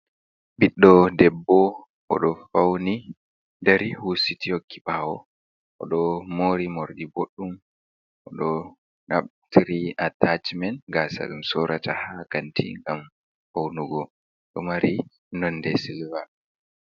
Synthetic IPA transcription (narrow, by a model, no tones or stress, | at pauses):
biɗːɔdɛbːɔ | ʔɔ̰ɗɔfawni | daɾihusitihokːiɓaːwɔ | ʔɔ̰ɗɔmoɾimoɾɗiboɗːum | ʔɔɗɔ | naɓ̚tɾiatat͡ʃmɛnɡasa̰ɗumsɔɾʔatahakantḭŋɡam | hawnuɡɔ | ɗɔmaɾi | nɔnːdɛsilva